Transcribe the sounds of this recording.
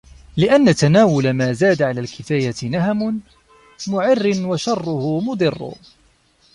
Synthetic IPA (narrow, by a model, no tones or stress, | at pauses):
lɪʔanːat̪anaːwʊlamaːzaːd̪aʕalaːlkɪfaːjat̪ɪnaɦamʊ | mʊʕɪrːɪnwaʃɑrˤːʊhʊmʊd̪ˤɨrːʊ̰